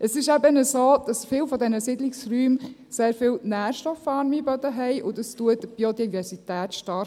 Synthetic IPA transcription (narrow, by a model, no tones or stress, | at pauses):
ʔəsɪʃɛbənəsoːd̪̥ɑsfɪːwfɔdɛnəsɪdlɪksryːmseːɾfɪːlnæːɾʃtɔfɑɾmibɔd̪əɦɛɪʔʊdɑstuədəb̥iodivɛɾsitæːt̪ʃtɑɾ